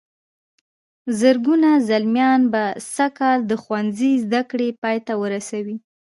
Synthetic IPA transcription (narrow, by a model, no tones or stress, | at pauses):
zəɾɡunazalmjɑnbasakɑld̪əxwanzizd̪akɽepɑjt̪awəɾasawi